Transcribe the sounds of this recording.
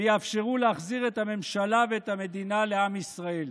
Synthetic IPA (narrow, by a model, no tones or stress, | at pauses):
jafʃe̞ʁuleaχziʁe̞t̪hame̞mʃalaveːt̪hame̞d̪inale̞amisʁae̞l